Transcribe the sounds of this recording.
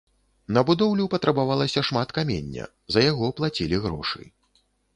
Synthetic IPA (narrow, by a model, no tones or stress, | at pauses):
nɐbud̪ɔwlʲupɐt̪ɾɐbavalˠɐsʲɐʂmat̪kamʲḛnʲːɐ̰ | zɐjaɣɔplˠat͡sʲilʲiɣɾɔ̰ʂɨ̰j